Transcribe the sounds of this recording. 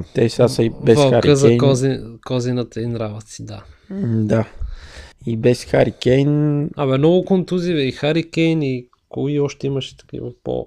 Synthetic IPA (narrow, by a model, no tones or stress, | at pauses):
t̪ɛsasibɛsaaɾkəzɛk̪ɔzikɔzinət̪əinɾavət̪sid̪ad̪a | ibɛsxaɾikʲɛjnɐmɛnɔɡʊkont̪uzivɛixaɾikʲɛjni | koiɔʃt̪ɛiməʃɛ̥t̪ɐ̥kḭvəpo̰